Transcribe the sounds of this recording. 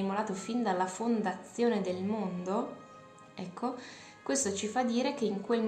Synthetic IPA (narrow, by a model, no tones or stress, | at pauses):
imolaːt̪ofind̪alːafond̪at̪sːjoːned̪elmond̪o | ɛkʰːo | kwest̪ot͡ʃifad̪ːiːɾek̟eiŋkwelm